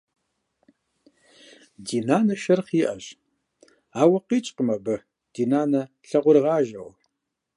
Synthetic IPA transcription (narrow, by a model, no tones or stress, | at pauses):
diːnaːnɐʃɐrχiːʔɐɕ | aːwɐqiːt͡ʃʼqəmɐbɨ | d̥iːnaːnɐɬɐʁʷʊrʁɑːʒɐw